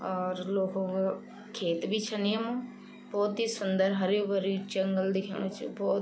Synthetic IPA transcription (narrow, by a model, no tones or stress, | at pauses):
ɔːɾloːkõɡa | kʰeːt̪bʱiːt͡ʃʰənɪjəmõː | bɔːt̪ɦiːsʊnd̪əɾɦəɾebəɾit͡ʃəŋɡəld̪ɪkʰḛːɳ̃õt͡ʃbɔːt̪